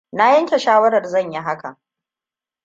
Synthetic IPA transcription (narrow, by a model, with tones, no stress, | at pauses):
na˦jɐ˦ŋkʲe˨ʃaː˦wɐ˦ɾɐ˨rzɐ˦˨ɲji˦ɦa˦ka˨